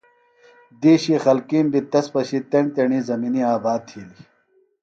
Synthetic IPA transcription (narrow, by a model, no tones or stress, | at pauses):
d̪iːɕixɐlkiːmbit̪ɐspɐɕit̪eɳt̪eɳiːzɐminiaːbaːt̪ʰiːli